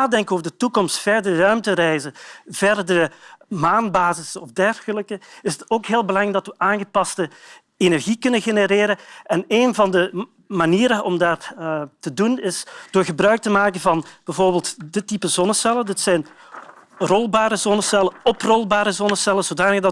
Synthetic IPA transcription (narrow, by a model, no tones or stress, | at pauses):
naːdɛŋkənoːvərdətukɔmstfɛrdərœɥmtərɛjzəvɛrdəɾəmaːnbaːzɪsəɔfdɛrɣələkəɪsətoːkɦeːlˠbəlɑŋɾɛɡdɑtʋəʔaːnɣəpɑstə | enɛrɣikɵnəɣenəɾeːɾəɛneːnvɑndə | maniːɾəʔɔ̰mdaːrtədunɪsd̥oːrɣəbrœɥk̚təmaːkənvɑnb̥ɛvoːrbeːlˠtdətipəzɔnəsɛlədətsɛjn | rɔlˠbaːɾəzɔnəsɛləɔprɔlˠbaːɾəzɔnəsɛləzodaːnəɣdɑ